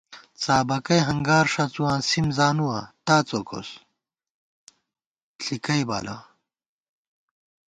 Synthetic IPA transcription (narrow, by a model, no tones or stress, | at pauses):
t͡saːbɐkɐjɦɐŋɡaːɾʂɐt͡suwãːsimzaːnuwãt̪aːt͡soko̰s | ɬʰikɐjba̰ːla̰